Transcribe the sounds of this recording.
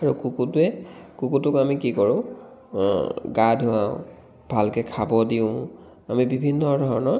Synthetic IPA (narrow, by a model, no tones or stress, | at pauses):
aɹukukutɛkukutʊkamikikɔɹʊ̃ | ɡadʱʊãʊ | b̥ʱalkɛkʰabɔdiʊ̃ | amibibʱinːɔdʱɔɦɔnɔ